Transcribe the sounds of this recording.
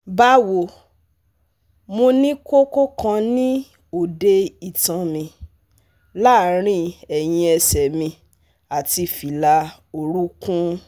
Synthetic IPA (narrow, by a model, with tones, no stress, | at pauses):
ba˦wo˨ | mo˧nĩ˦ko˦ko˦kã˧nĩ˦ | o˨de˧i˨tã˨mĩ˧ | la˦˨˦ɾ̃ĩ˦ɛ˨j̃ĩ˧ɛ˧sɛ˨mĩ˧ | a˨ti˧fi˨la˧ | o˧ɾu˦kũ˦